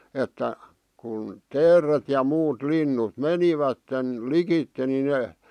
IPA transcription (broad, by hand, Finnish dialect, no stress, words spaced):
etːæ kun teːret jɑ muːt linːut meniʋætːen likitːe ni neˑ